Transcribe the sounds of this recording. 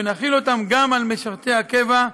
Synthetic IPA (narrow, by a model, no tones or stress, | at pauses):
enaχilo̞t̪amɡamalmeʃaʁt̪e̞jakeva